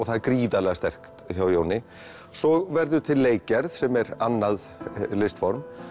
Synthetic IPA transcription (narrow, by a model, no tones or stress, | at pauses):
ɔɣθaðkɾiːðalɛɣast̪ɛr̥kt̪çawjownɪ | sɔɣvɛɾðʏt̪ʰɪlːeːjcɛɾð̥sɛmɛɾanːað | lɪst̪fɔɾm